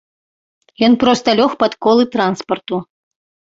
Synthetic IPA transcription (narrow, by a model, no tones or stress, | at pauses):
jɔnpɾɔst̪ɐlʲɔxpɐt̪kɔlˠɨt̪ɾanspɐrt̪u